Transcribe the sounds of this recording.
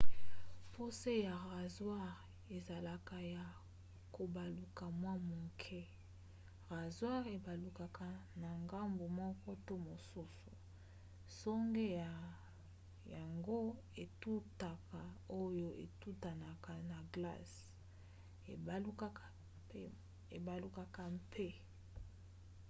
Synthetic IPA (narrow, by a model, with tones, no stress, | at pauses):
fo˦se˦ja˨ʁa˨zwa˦ʁ | e˨za˨la˨ka˨ja˨ | ko˨ba˨lu˨ka˨mwa˦mo˨kʰɛ˦ | ʁa˨zwa˦ʁe˨ba˨lu˨ka˨kʰa˨na˨ŋɡa˦mbo˨mɔ˦kɔ˦to˦mo˨su˦su̥˨ | sɔ˦ŋɡe˦ja˨ | ja˨ŋɡo˦ | e˨tu˦ta˨ka˨o˦jo˦ʔḛ˨tu˦ta˨na˨ka˨na˨ɡla̰˦s | e˨u˦ka˦ka˨˦ | e˨ba˨lu˦˨ka˨ka˨mpʰe˦